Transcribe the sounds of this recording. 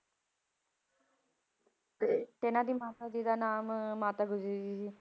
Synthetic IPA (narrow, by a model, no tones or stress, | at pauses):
t̪et̪enãd̪iːmaːt̪ad̪iːd̪anaːmːaːt̪aːɡʊd͡ʒɾid̪iːsiː